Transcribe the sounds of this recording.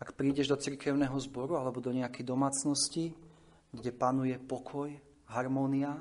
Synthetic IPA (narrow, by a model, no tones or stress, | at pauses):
akpɾiːɟɛʒd̪ɔt͡siɾkɛʊnɛːɦɔzbɔɾualɛbɔd̪ɔɲɛakɛjd̪ɔmaːt͡snɔsci | ɡɟɛpanujɛpɔkʰɔj | ɦaɾmɔːnia